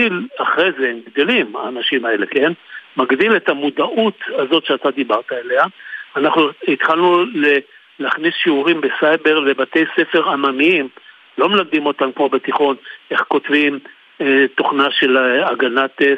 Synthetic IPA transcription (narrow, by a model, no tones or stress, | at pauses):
ilaχʁejzeemɡd̪elimaːnaʃimae̞le̞ke̞nmaɡd̪ile̞tamud̪aʔut̪azo̞t̪ʃeat̪ad̪ibaʁt̪ae̞leaːnaχnuit̪χalnule | laχnisʃiuʁimbesajbe̞ʁle̞bat̪e̞jse̞fe̞ʁamamiim | lo̞melaɡ̚d̪imo̞t̪ankmobet̪iχo̞ne̞χko̞tvim | et̪o̞χnaʃe̞laɡanat